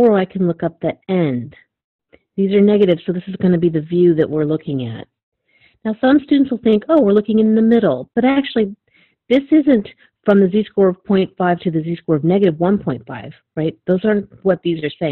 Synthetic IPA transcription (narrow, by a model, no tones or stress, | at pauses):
ɔɹaɪkʰɨ̃n̩lʊkʌp̚ðiɛ̃nd | ðizə˞nɛɡɨɾɨv̥soʊðɪsɨzɡʌnɨbiðɨvjʉðɨʔwɪɹlʊkʰɪ̃ŋɨ̰t̚ | naʊsʌ̃mstʉdⁿn̩tswəl̩ˠθɪ̃ŋkoʊwɪɹlʊkɪ̃ŋɨ̃nðɨmɪɾl̩ˠb̥ʌɾæk̚t͡ʃʉl̩ˠi | ðɪsɪzɨ̃nt | fɹʌ̃mðɨziskɔɹʌv̥pʰɔ̃ɪ̃ntfaɪv̥tʰɨðɨziskɔɹʌvnɛɡɨɾɨvwʌ̃npʰɔ̃ɪ̃ntfa̰ɪv̥ɹaɪt̪̚ðoʊzɑ˞nt̚wʌt̪̚ðizə˞seɪɪ̃ŋ